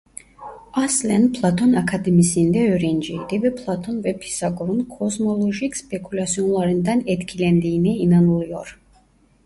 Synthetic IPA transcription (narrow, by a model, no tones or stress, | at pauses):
aslɛnpʰlˠat̪ʰɔnakʰad̪ɛmisind̪ɛøɾɛnd͡ʒɛid̪ɛbɛpʰlˠat̪ʰɔnvɛpʰi̥saɡɔɾɔnkʰɔsmɔlˠɔʒikspɛkʰulʲat̪sʰiɔnlˠaɾɛnd̪anɛt̪kʰilɛnd̪inɛinanulˠjɔɾ